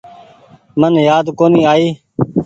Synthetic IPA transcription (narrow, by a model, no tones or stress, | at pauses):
mənjaːd̪koːniːaːiː